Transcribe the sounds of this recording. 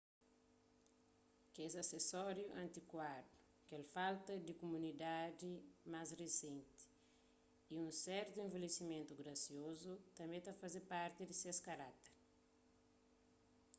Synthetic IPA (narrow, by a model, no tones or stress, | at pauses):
kezɐsesɔɾjuʔɐ̃nt̪ikwad̪ɾu | kɛlfalt̪ɐd̪ikomunid̪ad̪imazresẽnt̪i̥ | iũsɛɾt̪uẽɱvelesimẽnt̪uɡɾɐsiozut̪ɐ̃mẽt̪afazepaɾt̪ɪd̪iseskɐɾat̪eɾ